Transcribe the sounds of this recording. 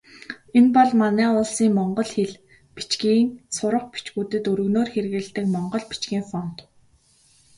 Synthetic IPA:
enpɔɮmanæːʊːɮsiːŋmɔɴɢɞ̆ɮxeɮ | pi̥t͡ɕɡiːŋsʊɾə̆χpit͡ɕɣuːt̪ɘ̆t̪ɵɾɵ̆ɣnoːrxerɣɘ̆ɮt̪ɘ̆kmɔɴɢɞ̆ɮpi̥t͡ɕɡʲiːŋfɔn̥t̪

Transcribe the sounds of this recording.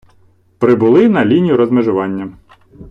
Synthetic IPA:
pɾɪbʊlˠɪnɐlʲinʲijʊɾɔzmeʒʊʋɑnʲːɐ

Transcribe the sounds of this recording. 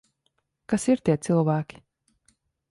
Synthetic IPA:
kasiɾt̪ʲiɛt̪sɨlˠvæːkʲi̥

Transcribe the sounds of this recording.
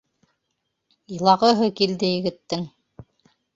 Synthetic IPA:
ɤlˠɑʁɤ̆ɦɤkild̪ɘjɘ̆ɡɘ̆t̪ːɘŋ

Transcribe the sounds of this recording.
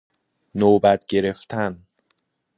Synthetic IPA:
noːbæt̪ʰɟe̞ɾe̞ft̪ʰæn

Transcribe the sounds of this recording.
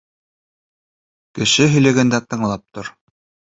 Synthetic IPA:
kɘ̆ʃɘɦɵ̆jlæɡænd̪æt̪ɤ̆ɴlˠɑp̚t̪oɾ

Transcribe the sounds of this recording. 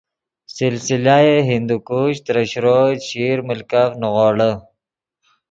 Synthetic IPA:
sɪlsilaeɦind̪ukuːɕt̪ɾəɕɾoɕiːɾməlkafnuɣoːɽə

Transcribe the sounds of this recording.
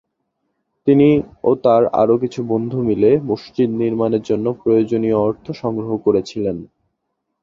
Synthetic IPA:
t̪iniot̪aɾa̰ɾok̬it͡ɕʰubond̪ʱumilemuʃt͡ɕid̪niɾmaneɾd͡ʑonːopɾojod͡ʑonioɔɾt̪ʰoʃɔŋɡɾoɦokoɾet͡ɕʰilen

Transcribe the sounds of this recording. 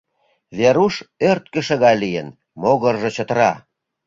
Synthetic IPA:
βeɾuʃørt̪̚kə̆ʃə̆ɣɑjlijə̰n | moɣərʒɤ̆t͡ɕə̆t̪əɾɑ

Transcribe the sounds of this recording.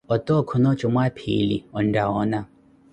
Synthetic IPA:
ɔt̪ʼɔkʰɔnɔt͡ʃɔmwapʰḭliɔndaɔːna

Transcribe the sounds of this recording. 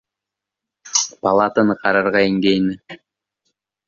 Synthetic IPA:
pɑlˠɑt̪ənɯqʰɑɾɑɾʁɑiŋɡejnɪ

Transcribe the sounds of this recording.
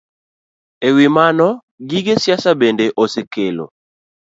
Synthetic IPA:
ewimanɔ | ɡiɡesjasabendeʔosekelo̰

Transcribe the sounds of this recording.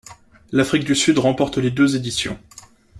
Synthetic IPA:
lafχik̚d̪ysyd̪ʁɑ̃pɔʁt̪led̪øzed̪isjɔ̰̃

